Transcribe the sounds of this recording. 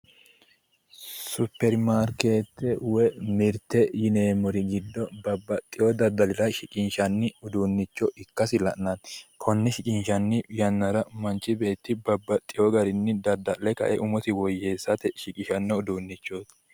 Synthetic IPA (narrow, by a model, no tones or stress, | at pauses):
sʊpːɛɾmaːɾke̞ːt̪ːɛwɛmɪɾt̪ːɛjɪne̞ːmɔɾɪɡɪd̪ːɔbɐbːɐt̪ʼːɪjɔd̪ɐd̪ɐlɪɾɐʃɪkʼɪnʃɐnːɪʊd̪uːnːɪt͡ʃːɔʔɪkːɐsɪlɐʔnɐnkʰɔnːɪʃɪkʼɪnʃɐnːɪjɐnːɐɾɐmɐnt͡ʃːɪbe̞ːt̪ːɪbɐbːɐt̪ʼːɪjɔɡɐɾɪnːɪd̪ɐd̪ːɐlɛkɐ̰ʔɛʔʊmɔt̪ɪwɔjːe̞ːsːɐt̪ɛʃɪkʼɪʃɐnːɔʊd̪uːnːɪt͡ʃːot̪